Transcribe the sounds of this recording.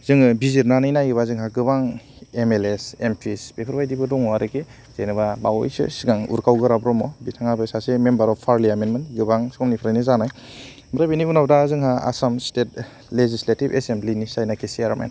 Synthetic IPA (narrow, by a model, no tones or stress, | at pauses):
zɯŋɯbiziɾnanɯjnajɯbazɯŋɦaɡɯbaŋ | emelesempʰisbepʰɯɾbajdibɯdɔŋɔaɾɯke | z̥ejnɯbabawɔ̰jsɯ̰siɡaŋṵɾkʰawɡɯɾabɾɔmɔbitʰaŋabɯsasemembaɾɔppʰːaɾliamenmentɡɯbaŋskɔmnipʰɾajnɯzanaj | mɾabiniunawdazɯŋɦaa̰samstet̚ | lezisletibḛsemblinisajnakʰesiaɾamḛn